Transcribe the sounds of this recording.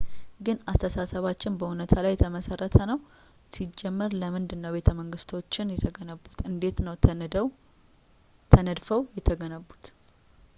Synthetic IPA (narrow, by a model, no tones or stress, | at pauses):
ɡɨnast̪ʰəsasəβat͡ʃːɪnbəhunət̪ʰalajːɛt̪ʰəməsərːət̪ʰənəw | sid͡ʒːɛmːəɾləmɨnd̪ɨnːəwbe̞t̪ʰəməŋɡɨst̪ʰo̞t͡ʃːɪnjɛt̪ʰəɡənəbːut̪ɨnd̪e̞t̪nəw | t̪ʰənəd̪fəwjɛt̪ʰəɡənəbut̪